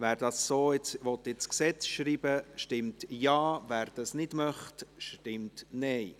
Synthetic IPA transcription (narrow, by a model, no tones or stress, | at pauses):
væːɾdɑsːoːɪt͡sʋɔt̪ɪt͡sksɛt͡sʃɾiːb̥əʃtɪmtjɑːvæːɾd̥ɑsnɪd̥mœχtʃtɪmtnɛɪ